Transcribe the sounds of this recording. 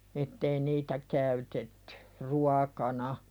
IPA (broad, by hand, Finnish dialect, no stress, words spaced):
etːei niːtæ kæytetːẙ ruɑkɑnɑ